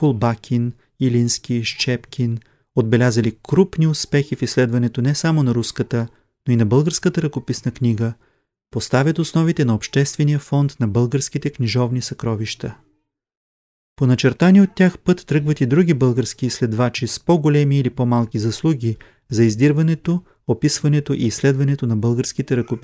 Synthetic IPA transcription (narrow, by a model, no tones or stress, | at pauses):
kolˠbakʲʰin | ilinskʲiʃt͡ʃɛpkʰʲin | od̪̚bɛlʲazəlikɾupniʊspɛxifislɛd̪vɐnɛt̪onɛsamonɐɾuskət̪ə | noinɐbɤlˠɡəɾskət̪əɾɐkopisnəkniɡə | post̪avʲət̪osnɔvit̪ɛnɐopʃt̪ɛst̪vɛnijəfɔnt̪nɐbɤlˠɡəɾskʲit̪ɛknʲiʒɔvnisɐkɾɔviʃt̪ə | ponɐt͡ʃɛɾt̪aniot̪ːʲaxpɤt̪ːɾɤɡvət̪id̪ɾuɡʲibɤlˠɡəɾskiːslɛd̪vat͡ʃispɔɡolɛmiːlipomalˠkʲizɐslˠuɡʲi | zɐizd̪iɾvɐnɛt̪o | opisvɐnɛt̪oʔiːslɛd̪vɐnɛt̪onɐbɤlˠɡəɾskit̪ɛɾɐkop